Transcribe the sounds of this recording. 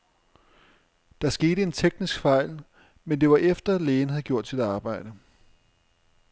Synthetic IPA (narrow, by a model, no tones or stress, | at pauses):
d̥ɑ̈sɡ̥e̝ːɾəe̝nt͡sʰeɡ̥nisɡ̥fɑ̈ɪ̰l | mend̥e̝ʋɑ̈ʔefd̥ɐleːn̩ɦæð̩ˠɡ̥jo̝ɐ̰d̥sid̥ɑ̈ːb̥ɑ̈ɪ̰d̥ə